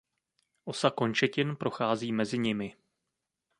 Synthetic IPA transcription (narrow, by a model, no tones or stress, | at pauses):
ʔo̞sako̞nt͡ʃɛcɪnpɾo̞xaːziːmɛzɪɲɪmɪ